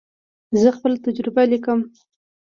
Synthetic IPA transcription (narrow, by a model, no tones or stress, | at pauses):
zəxpəlat̪ad͡ʒɾɪbalikəm